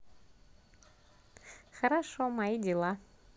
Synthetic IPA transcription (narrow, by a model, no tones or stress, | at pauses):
xəɾaʃomaid̪ʲilˠa